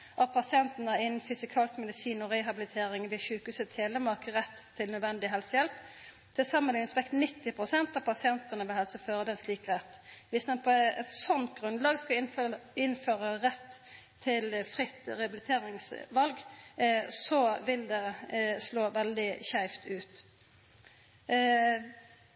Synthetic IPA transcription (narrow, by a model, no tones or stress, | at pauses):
ʔɑt̚pʰɑsɪɛnt̪n̩æɪnn̩fʏsɪkʰɑːlɪskmɛd̪ɪsiːnɔɾɛɦɑbɪlɪt̪ʰeːɾɪŋʋɪʃʉːkʉːsət̪ʰheːləmɑkəʁɛt̪ʰːɪlnœd̪ʋɛnd̪ɪɦɛlsəjɛlp | t̪ʰɪsɑməlɪŋnsʋɛkt̪nɪt̪ːɪpʰʁʊsɛnt̪ɑʋpʰɑsɪɛnt̪ənəʋɛhɛlsəføːʁəd̪ɛnsliːkʁɛt̪ːʋɪsd̪ɛnpʰɔɛt̪sɔnt̪ɡʁʉnd̪lɑːɡskɑɪnføːʁəʁɛt̪ʰː | ɪlfʁɪt̪ːʁɛɑbɪd̪ɪt̪ʰeːɾɪŋsʋɑlɡ | sɔʋɪld̪ɛsloːʋɛld̪ɪçæɪft̪ʰʉːt̪